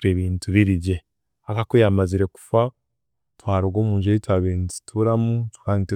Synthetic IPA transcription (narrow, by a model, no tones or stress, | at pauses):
tweːβiːntʰuβiɾiɟe | akakojamaziɾe̞ku̥fa | twaːɾoɡoːmuːʒeitwaβeːnzi̥tʰuɾamutu̥kanit